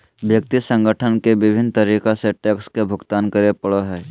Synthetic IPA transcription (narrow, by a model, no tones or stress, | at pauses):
bjək̚t̪isə̃ŋɡəʈʰənkeʋɪbʱɪnt̪əɾiːkaseʈɛːkskebʱʊɡt̪aːnkəɾepəɽoɦɛː